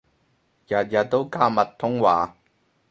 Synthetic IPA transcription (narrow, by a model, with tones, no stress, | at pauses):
jɐ˨t̚jɐ˨˩t̚t̪ːo˥wkaː˧˥mɐ˨tt̪ʰːʊ˥ŋwaː˨